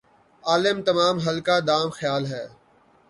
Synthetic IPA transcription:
aːlɪmt̪ɐmaːmɦɐlkad̪aːmxjaːlɦɛː

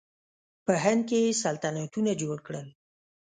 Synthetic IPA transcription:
pəɦɪn̚kejesalt̪anat̪unad͡ʒoɽkɽəl

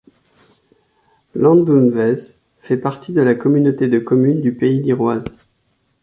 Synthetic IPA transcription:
lɑ̃d̪umvɛz | fɛpaʁt̪ʰid̪əlakɔmynot̪ed̪əkɔmynd̪ypeid̪iʁwaz

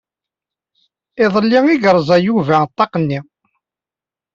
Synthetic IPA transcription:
ɪðˤəlːiŋiɡəɾˤzˤɑjuvæt̪ˤːɑqənːi

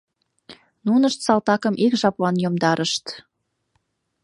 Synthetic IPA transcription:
nunəʃt̪sɑlt̪ɑkəmʔikʒɑplɑnjomd̪ɑɾʔəʃt̪

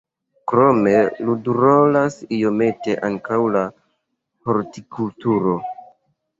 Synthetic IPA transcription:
kɾo̞me̞luduɾolasijo̞me̞te̞ʔaŋkawla | hoɾtikultuɾo̞

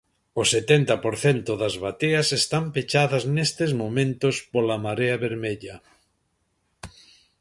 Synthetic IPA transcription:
oset̪ent̪ɐpoɾθent̪ʊðɐzβat̪eɐsest̪ampet͡ʃaðɐznest̪ezmomẽnt̪ospolamaɾeɐβeɾmeʎɐ

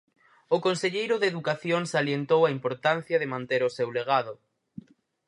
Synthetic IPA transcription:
oʊkonseʎejɾʊðeðukaθjoŋsaljent̪owaimpoɾt̪an̟θjɐðɪmãnt̪eɾosewleɣaðʊ

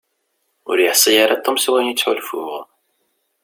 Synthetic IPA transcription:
ʊ̰ɾjəħsˤəjaɾɑt̪ˤːomswænit͡sːħʊlfʊ̰ʁ

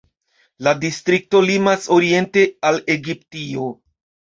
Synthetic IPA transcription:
ladistɾik̚to̞limaso̞ɾie̞nte̞ale̞ɡiptio̞

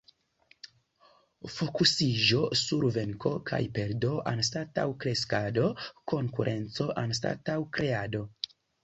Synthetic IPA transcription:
fo̞kusiʒo̞suɾve̞ŋko̞kʰa̰jpe̞ɾdo̞ʔanstata̰wkɾe̞skado̞ko̞ŋkuɾʔe̞nt͡so̞ʔansta̰tawkɾe̞ado̞

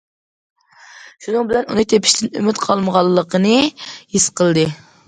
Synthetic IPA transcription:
ʃunɨŋbɪlɛnunɨt̪ʰepʰi̥ʃt̪ʰɪnymyt̪qʰɑlˠməʁɑlˠːəqʰənɨhisqʰəlˠd̪ɨ

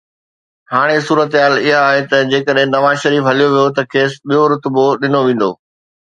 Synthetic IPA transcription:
haːɽ̃esuːɾət̪ɦaːlɪɦaaːɦet̪ɐd͡ʑeːkəɗɦɪ̃nɐʋaːʃɐɾiːfɦɐlijoʋijot̪ɐkʰeːsɓijoɾʊt̪boɗɪnoʋẽːn̆d̪o̰ː

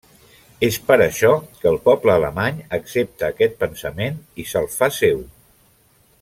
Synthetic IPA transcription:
espəɾəʃɔkəːlˠpɔpləːləmaɲəksep̚t̪əːkɛt̪̚pənsəmenisəlˠfasew

